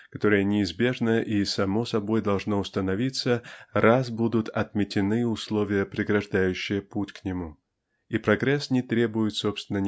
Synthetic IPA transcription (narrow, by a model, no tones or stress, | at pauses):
kɐt̪o̞ɾəjənʲɪɪzbʲe̞ʐnəʔisɐmo̞sɐbo̞jd̪ɐlˠʐnoʊst̪ənɐvʲit̪sərazbud̪ʊt̪ʰɐt̪mʲɪtʲɪnɨʊslˠo̞vʲɪjəpɾʲɪɡɾɐʐd̪ajʉɕːɪjəputʲknʲɪmu | ipɾɐɡɾɛsnʲɪt̪ɾʲe̞bʊjɪt̪sopst̪vʲɪnːənʲ